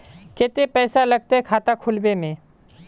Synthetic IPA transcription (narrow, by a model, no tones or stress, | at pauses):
ket̪epɛːsaləɡ̚t̪aɦɛkʰaːt̪akʰʊlbemẽ